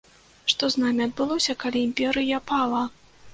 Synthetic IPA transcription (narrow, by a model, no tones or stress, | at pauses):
ʂt̪ɔznamʲiɐd̪̚bɨlˠɔsʲɐkalʲiimʲpʲɛɾɨjɐpalˠɐ